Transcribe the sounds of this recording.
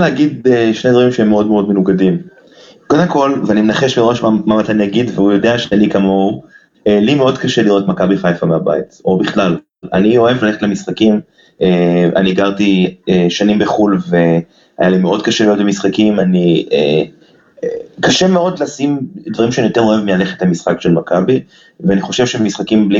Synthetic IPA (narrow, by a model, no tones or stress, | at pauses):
aleaɡid̪eʃne̞dvaʁimʃeemːeo̞dmeo̞dme̞nuɡadim | ko̞d̪emko̞lveanimenaχe̞ʃmiʁo̞ʃmamamat̪anjaɡidveujo̞de̞aʃeanikamo̞u | elimeo̞d̪kaʃeliʁo̞t̪makabiχajfameaba̰it̪o̞biχlal | a̰nio̞e̞vlale̞χetlemisχakim | eʔa̰niɡaʁtieʃanimbeχulve | a̰jalimeo̞dkaʃeliot̪bemisχakimaniḛ | kaʃemeod̪lasimd̪vaʁimʃanijot̪enoevmilaleχetlemisχakʃelmakabi | veaniχo̞ʃe̞vʃebmisχakimbli